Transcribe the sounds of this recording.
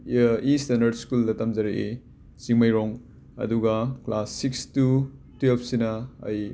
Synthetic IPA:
istɐndɐɾdskuldɐtɐmzɐɾeʔe | t͡ʃiŋmɐjɾɔŋ | ɐ̰duɡɐklasːikstutipʰsinɐɐ̰j

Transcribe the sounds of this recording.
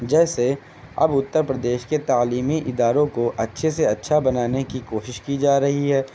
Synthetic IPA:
d͡ʒɛːse | ɐ̰bʊt̪ːəɾpɾɐd̪eːʃket̪aːliːmiʔɪd̪aːɾõkoʔɐtːʃʰeseɐtːʃʰabɐnaːnekikoːʃɪʃkid͡ʒaːɾɐɦiɦɛː

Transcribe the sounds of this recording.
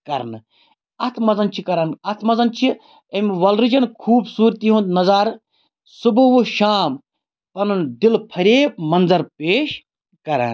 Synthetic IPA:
kɐɾnɨ | ɐt̪ʰmɐzɐnt͡ʃʰikɐɾanɐt̪ʰmɐzɐnt͡ʃʰi | ɐmʋɐlɾid͡ʒɐnkʰuːbsuːɾt̪iɦũnd̪nɐzaːɾ | subuʋuʃaːm | pɐnɐnd̪ilpʰɐɾeːp̚mɐnzɐɾpeːʃ | kɐɾa̰ːn

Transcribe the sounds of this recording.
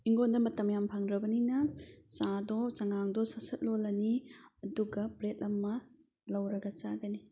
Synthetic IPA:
iŋɡondɐmɐtɐmjampʰaŋdɾɐbɐninɐsadɔzɐŋaŋdɔsasɐt̚lolːɐniɐduɡɐpɾet̚ɐmɐ | lɐwɾɐɡɐt͡ʃaɡɐni

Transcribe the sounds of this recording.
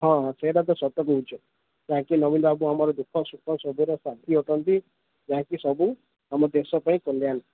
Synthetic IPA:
ɦɔ̃ɦɔ̃seɾad̪ɔsɔt̪ɔkuɦut͡ʃʰɔ | d͡ʒããkinɔbinbabuamɔɾɔd̪ukʰːɔsukʰːɔsɔbuɾɔsat̪ʰiɔʈɔnt̪i | d͡ʒaɦãkisɔbu | amɔd̪esɔpaĩkɔljan

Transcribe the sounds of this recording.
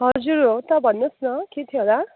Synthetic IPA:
ɦʌd͡zuɾot̪abʱʌnːəsnʌket̪ʰjila

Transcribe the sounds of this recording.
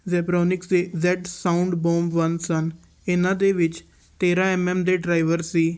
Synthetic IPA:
zɛːpɾoːnɪkd̪eːzɛːʈsaːʊ̃ɳɖboːmʋənsən | ɪnãːd̪eʋɪt͡ʃ | t̪eːɾãɛmɛ̃md̪eɖɾaːɪʋəɾsiː

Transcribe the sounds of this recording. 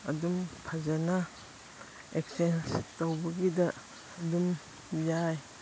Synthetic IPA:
ɐ̰dumpʰɐzɐnɐ | eksenstowbɐɡidɐː | dum | jaj

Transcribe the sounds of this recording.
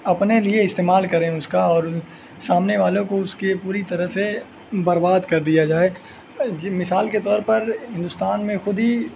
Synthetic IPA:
ɐpnelieɪst̪eːmaːlkɐɾẽʊskaɔːɾ | saːmneʋaːlõkoʊskepuːɾit̪ɐɾəɦse | bɐɾbaːd̪kɐɾd̪ijad͡ʒaːe | d͡ʒmɪsaːlket̪ɔːɾpɐɾɦɪ̃nd̪ʊst̪aːnmẽxʊd̪ɦi

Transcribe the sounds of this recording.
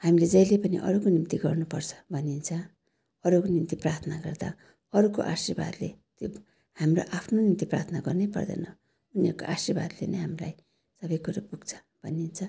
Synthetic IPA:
hamiled͡zʌjlepʌnḭʔʌ̰ɾukonimt̪iɡʌrnupʌrt͡sʰʌ̥bʱʌnint͡sʰʌ | ʌɾukonimt̪iprart̪ʰnaɡʌrd̪a̰ | ʌɾukoʔasirba̰d̪let̪jo | hamroʔapʰnonimt̪ipra̰t̪ʰnaɡʌrnejpʌ̰rd̪ʌ̰nʌ | uniʌɾko̰ʔasirba̰d̪lḛnʌjɦamila̰j | sʌbʌjkuɾapuɡt͡sʰʌ̥ | bʱʌnint͡sʰʌ

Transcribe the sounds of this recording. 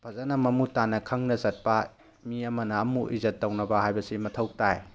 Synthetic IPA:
pʰɐzɐnɐmɐmutanɐkʰɐŋnɐzɐt̚pa | miɐmɐnɐːmuʔizɐtːɐwnɐbɐhajbɐsimɐtʰɐw̚taj

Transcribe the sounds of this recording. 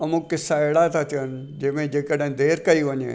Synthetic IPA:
ɐmũkɪsaeɽat̪ʰat̪ɪən | d͡ʒɪʋẽd͡ʒeːkeɽẽd̪eːɾkɐiʋɐɲḛ̃

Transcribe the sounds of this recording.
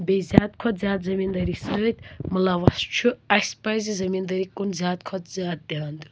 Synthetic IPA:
bezʲjaːd̪kʰɔt̪zʲjaːd̪zɐmiːnd̪ɐɾisəːt̪ʲmɨlaʋɐst͡ʃʰuɐspajzizɐmind̪ɐɾikʼunzʲjaːd̪kʰɔd̪zʲjaːd̪̚d̪ʲaand̪u

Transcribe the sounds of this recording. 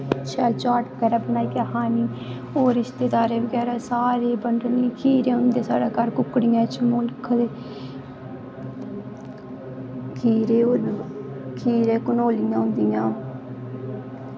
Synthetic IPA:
t͡ʃɛːlt͡ʃaːʈbəɡɛːɾaːbənaːiːɡaːɦaːniː | oːɾɪʃt̪eːd̪aːɾeːʋəɡɛːɾaːsaːɾeːbəɳɖənliːkʰiːɾẽːʊnd̪eːsa̰ːɽaːkaɾkʊkɽijãːt͡ʃəmoːlkʰd̪eː | kʰiːɾe | kʰiːɾeːkʊnoːlɪjãːɦʊ̃nd̪ijãː

